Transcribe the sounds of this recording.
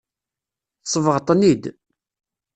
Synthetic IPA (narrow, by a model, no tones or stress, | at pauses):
θsˤəvəʁt̪ˤnid̪